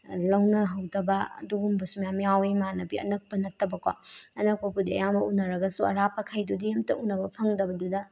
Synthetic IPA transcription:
lɐwnɐɦɐwdɐbɐɐ̰duɡumbɐsumjamijawimanɐbiɐ̰nɐk̚pɐnɐtːɐbɐkwa̰ɐnɐk̚pɐpudiɐ̰jambɐunːɐɾɐɡɐsuɐ̰ɾapʰɐkʰajdudijemtɐʔunːɐbɐpʰɐŋdɐbɐdudɐ

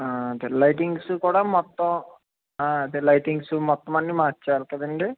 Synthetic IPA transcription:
aɐd̪elɐjʈiŋɡsukuːɽaːmɔt̪ːɔ̃ | aːɐd̪elɐjʈiŋɡsumɔt̪ːɐmɐnːimaːt͡ʃːaːlkɐd̪ɐɳɖi

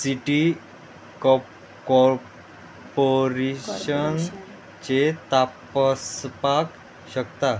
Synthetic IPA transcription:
siʈi | kɔ | kɔɾ | poɾeɕən | t͡ɕet̪apəspak | ɕəkt̪a

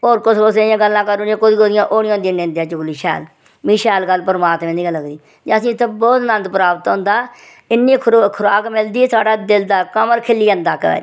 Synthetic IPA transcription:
oːɾkʊskʊseãːɡəlːãːkəɾoːnãːkʊd̪iːoːd̪ɪjãːʔoːɽɪ̃jãːʊnd̪ĩːnẽːnd̪ejãːt͡ʃʊkliːʃɛ̰ːl | mĩːʃɛːlɡəlːpəɾmaːt̪mẽːd̪iːɡəlːəɡd̪iː | d͡ʒəsĩːɪt̪ʰːẽːbɔːt̪nə̃nd̪pɾaːbət̪ɦõːnd̪aː | ɪnːiːkʰkʰʊɾaːkmɪld̪iːsaːɖaːd̪ɪld̪aːkəməɾkʰɪlːiːənd̪aːkəɛ̰ːɾiː

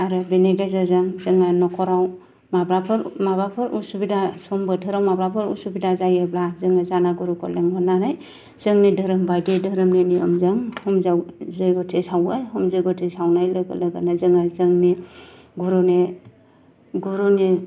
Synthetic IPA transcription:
aɾɯbeneɡazazaŋzɯŋajnɔkʰɔɾaw | mabɾapʰɯɾmabapʰɯɾṵsubidasɔmbɯtʰɯɾawmabɾapʰɯɾṵsubidazajablazɯŋazanaɡuɾukʰɔleŋbɔnanaj | z̥ɯŋnidɯɾɯmbaɡedɯɾɯmneniɔmzɯŋhɔmzawzɯjɡɔtʰesawajɦɔmzɯjɡɔtʰesawnajlɯɡɯ̰lɯɡanazɯŋazɯŋni | ɡuɾune | ɡuɾune

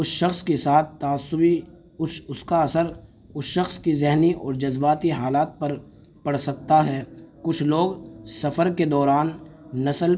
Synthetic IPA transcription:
ʊsʃɐxskesaːt̪̚ʰt̪aːsːʊbi | ʊskaɐsəɾ | ʊsʃɐxskizɛɦniɔ̰ːɾd͡ʒɐzbaːt̪iɦaːlaːt̪̚pɐɾ | pɐɽ̤sɐk̚t̪aɦɛːkʊt͡ʃʰloːɡsɐfəɾked̪ɔːɾaːnːɐsəl

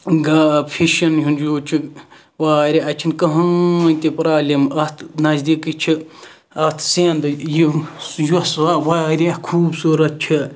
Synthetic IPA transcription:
ɡaːpʰiʃɐnjɦunjuːt͡ʃʰi | ʋaːɾʲeʔɐt͡ʃʰinkɐɦɐnʲt̪ipɾaːlʲemɐt̪ʰnɐzd̪iːkit͡ʃʰi | ɐt̪ʰseːnd̪ɨjijuswaːʋaːɾʲekʰuːbsuːɾɐt̪̚t͡ʃʰi

